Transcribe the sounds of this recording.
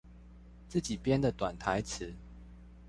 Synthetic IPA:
t͡sɹ̩˥˨t͡ɕi˨˩pjɛ˦nd̪ə˨t̪wa˨˩nt̪ʰa˨˦ɪt͡s̩ʰ˨˦

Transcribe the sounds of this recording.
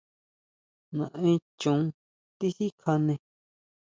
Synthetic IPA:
nã˨ẽ˦t͡ʃũ˨˦ | t̪i˦hi˦kʰa˧nẽ˧

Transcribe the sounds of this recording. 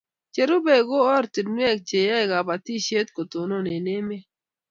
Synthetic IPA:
t͡ʃe˨ɾu˦be˨ɡo˦ɔ˦ɾti˨dnwɛ˦˨k̚t͡ʃe˨ja˦i˨ɡa˨ba˨t̪i˦ʃe˦t̪ko˨to˨no˦ne˨ne˦me˦

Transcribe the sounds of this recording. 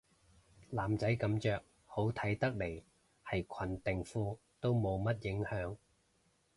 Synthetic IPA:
laː˨˩mt͡sɐ˨˥jkɐ˨˧˥mt͡ʃœː˨k̚ | ho˨˥wt̪ʰɐ˨˥jt̪ɐ˥k̚le˨˩j | hɐ˨jkʰɐ˨˩nt̪ɪ˨ŋfuː˧ | t̪o˥wmo˨˧wmɐ˥t̚jɪ˨˥ŋhœː˨˥ŋ

